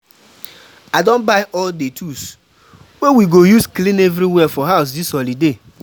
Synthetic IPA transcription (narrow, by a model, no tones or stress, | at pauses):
adõnbaɪʔɔldetʰus | wewiɡojusklĩnevɾiwɛfɔɦaʊs̬dishɔlide